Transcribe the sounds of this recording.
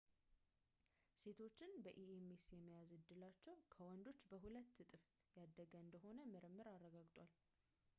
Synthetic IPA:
se̞t̪ʰo̞t͡ʃːɪnbəʔiemesjɛmːijazɨd̪ːɨlat͡ʃːɛwkʰəwɔnd̪o̞t͡ʃːbəɦulət̪ːɨt̪ʼɨf | jad̪ːəɡəɨnd̪əho̞nəmɨɾɨmːɨɾarːəɡaɡt̪ʼwal

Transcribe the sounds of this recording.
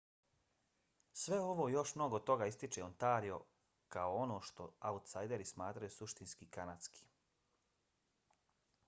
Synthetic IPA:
sʋe̞o̞ʋo̞ːjo̞ʃmno̞ɡot̪o̞ɡaːist̪it͡ʃeont̪aːɾio̞̰ | kaoo̞no̞ːʃt̪o̞̰aut̪sajd̪e̞ɾismaːt̪ɾajusuʃt̪inskikanat̪skʰi̥

